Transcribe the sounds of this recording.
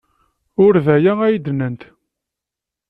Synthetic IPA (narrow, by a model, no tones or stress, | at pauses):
ʊɾðæjææjd̪nənt̪